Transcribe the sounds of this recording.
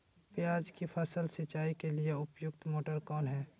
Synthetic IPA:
pjaːd͡ʒkipʰəsəlsɪt͡ʃaːikelieʊpjʊkt̪moːʈəɾkɔːnɦɛː

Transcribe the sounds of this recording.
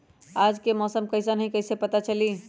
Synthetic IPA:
aːd͡ʒkemɔːsəmkɐɪs̬anɐɦĩkɐɪsepɐt̪at͡ʃɐliː

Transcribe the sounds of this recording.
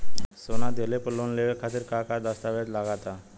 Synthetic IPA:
sonad̪elepəlonleʋekʰat̪iːɾkakad̪əst̪aʋet̪laɡat̪a

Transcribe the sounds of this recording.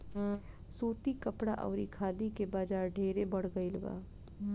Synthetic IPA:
suːt̪ikəpɽaʔɔ̰ːɾikʰaːd̪ikebaːd͡ʒaːɾɖʱeːɾebəɽ̤ɡəiləɡa̰ː

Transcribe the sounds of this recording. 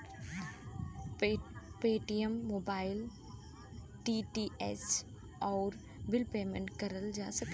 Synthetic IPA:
peːʈijəmːoːbaːɪl | ʈiːʈiːʔɛs | ɔːɾ | bɪlpeːmḛ̃ɳʈkɐɾəld͡ʒaːsɐk

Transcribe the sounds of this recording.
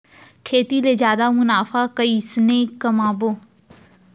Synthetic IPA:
kʰeːt̪ileːzjaːd̪amʊnaːfakəisnẽːkɐmãːboː

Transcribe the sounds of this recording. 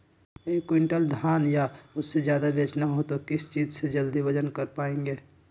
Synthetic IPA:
eːkːwɪɳʈəld̪ʱjaːnjaʊsːed͡ʒjaːd̪abeːt͡ʃnaɦot̪okɪst͡ʃiːd͡ʒsed͡ʒəld̪ibəd͡ʒənkəɾpaːẽːŋɡeː

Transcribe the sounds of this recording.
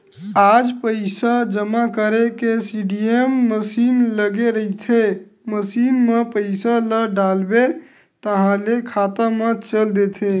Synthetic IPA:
aːd͡ʒpəɪsad͡ʒəmakəɾekesiɖiemːəsiːnləɡeɾəɦit̪ʰe | məsiːnmẽpəɪsaləɖaːlbe | t̪əɦãlekʰaːt̪amə̃t͡ʃəld̪et̪ʰe

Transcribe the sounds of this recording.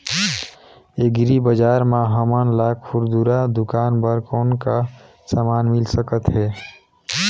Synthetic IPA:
eɡɾibəd͡ʒaɾmaɦəmənlakʰuɾd̪uɾad̪ukanbəɾkɔnka | samanmilsəkət̪ɦɛ

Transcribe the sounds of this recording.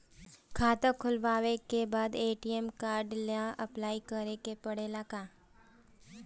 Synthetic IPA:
kʰaːt̪akʰʊlʋaːʋekebaːd̪eːʈiemkaːɾɖlãʔɐplaːikəɾekepɐɽelakaː

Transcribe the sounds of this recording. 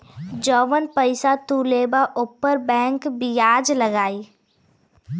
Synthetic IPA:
d͡ʒɔːʋənpəɪsat̪uːleːbaʔʊpːəɾbɛ̃ːŋkbɪjaːd͡ʒlɐɡaːiː

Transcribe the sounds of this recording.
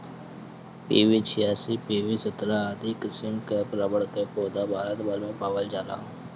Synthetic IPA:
piːʋiːt͡ʃʰɪjaːsiːpiːʋiːsət̪ɾaːd̪iːkɪsɪmkeːpɾəbəɽkeːpoːd̪aːbʱaːɾət̪baːlõːpaːʋəld͡ʒaːla̰ː

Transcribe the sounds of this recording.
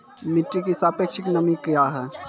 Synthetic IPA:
miʈɾikisaːpeːkʃɪknəmikijaɦɛː

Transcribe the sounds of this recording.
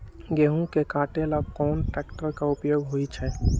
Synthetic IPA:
ɡeːɦũkekaːʈelab̚kɔːnʈɛːkʈəɾkaʊpjoːɡɦoit͡ʃʰɛ

